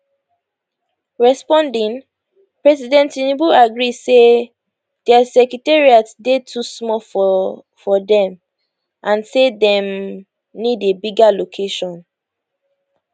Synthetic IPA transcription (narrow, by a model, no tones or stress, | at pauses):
ɹɛspɔ̃ndĩn | pɹɛsidɛ̃ntinibuaɡɹise | d̥ɛasɛkɹitɛɹiatsdetʰusmɔf | fɔdɛ̃m | ʔãnsedɛ̃m | nidebiɡalokʰeʃɔ̃n